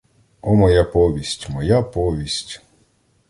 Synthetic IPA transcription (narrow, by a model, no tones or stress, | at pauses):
ɔmɔjapɔʋʲisʲtʲmɔjapɔʋʲisʲtʲ